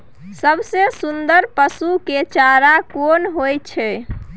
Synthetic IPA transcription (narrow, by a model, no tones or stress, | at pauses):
səbsẽsund̪əɾpəsuket͡ʃaɾakonɦojt͡ʃʰɛ